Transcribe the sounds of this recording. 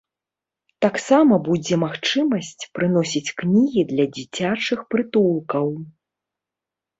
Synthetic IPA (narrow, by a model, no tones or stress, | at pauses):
t̪aksamɐbud͡zʲɛmaxt͡ʂɨmɐsʲt͡sʲpɾɨn̪ɔsʲit͡sʲknʲiɣʲid̪lʲɐd͡zʲit͡sʲat͡ʂɨxpɾɨt̪ulˠkɐw